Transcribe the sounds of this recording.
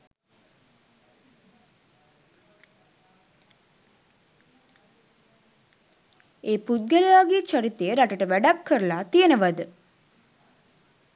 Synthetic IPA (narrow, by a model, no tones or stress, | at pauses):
eːpud̪̚ɡɐlijaːɡit͡ʃaɾit̪ejəɾaʈəʈəʋæɖakːəɾəlaːt̪ijənəʋad̪ə